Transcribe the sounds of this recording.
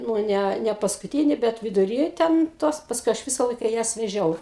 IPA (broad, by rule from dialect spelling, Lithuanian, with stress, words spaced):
nʊ ˈnʲæ nʲɛpɐskʊˈtʲiːnʲɪ ˈbʲɛt ʋʲɪdʊˈrʲiː tʲɛn ˈtoːs pɐsˈkʊɪ ɐʃ ˈʋʲɪsɐ ˈlˠɐɪkɐ ˈjɛs ʋʲɛˈʒʲɛʊ